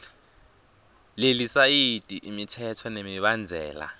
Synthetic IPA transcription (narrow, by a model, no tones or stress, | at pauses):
lelisajitʼiʔimitʰɛtʰɔnemiɓand͡zʱɛ̰ːla̰